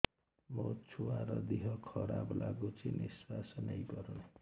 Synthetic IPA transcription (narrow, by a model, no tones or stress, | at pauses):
mʌt͡sʰuwaɾʌd̪iɦʌkʰʌɾablaɡot͡sʰiniswasʌnejpʌɾun